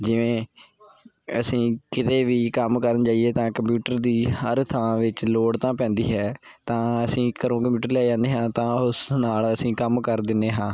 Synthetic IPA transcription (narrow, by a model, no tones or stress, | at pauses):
d͡ʒɪʋẽː | əsĩːkɪt̪eːʋiːkəmkəɾənt͡ʃaːieːt̪ãːkəmpjuːʈəɾd̪iːhəɾt̪ʰəãːʋɪt͡ʃloːɽt̪ãːpɛ̃ːnd̪iːɦɛː | t̪ãːəsĩːkəɾõːkəmpjuːʈəɾlɛːd͡ʒãːnd̪eːɦãːt̪ãːʊsnaːləsĩːkəmkəɾd̪ɪnːeːɦãː